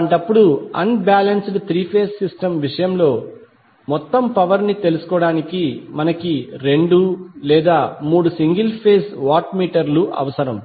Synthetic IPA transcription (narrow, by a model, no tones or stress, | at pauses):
ɐɳʈɐpːuɽuɐ̰nbaːlɐnsɖt̪ɾiːpʰeːsːisʈɐmʋiʂɐjɐmlo̞ː | mɔt̪ːɐmpɐʋɐɾnit̪e̞lusu̥kɔːɽaːnikimɐnɐkiɾe̞ɳɖulɛːd̪aːmuːɽusiŋɡilpʰeːsʋaːʈmiːʈɐɾluʔɐ̰ʋɐsɐɾɐm